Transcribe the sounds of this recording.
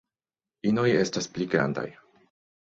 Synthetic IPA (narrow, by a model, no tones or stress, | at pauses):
ino̞je̞staspliɡɾa̰nda̰j